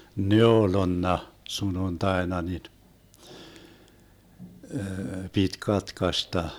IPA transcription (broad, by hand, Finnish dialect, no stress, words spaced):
neolonːɑ sununtɑenɑ nin pit kɑtkɑstɑ